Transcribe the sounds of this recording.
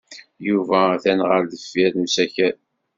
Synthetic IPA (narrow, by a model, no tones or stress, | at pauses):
juvæθænʁəɾðəfːiðnusæçæ